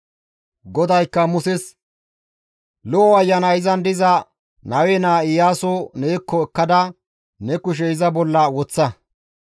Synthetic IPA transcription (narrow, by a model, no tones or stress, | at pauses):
ɡɔd̪ɐjkːɐmʊsɛs | lɔʔːɐjːɐnɐɪzɐnd̪ɪzɐ | nɐwenaːɪjaːsoneːkːɔɛkːɐd̪ɐ | nɛkʊʃ̬ɛɪzɐbɔlːɐwɔt͡sːɐ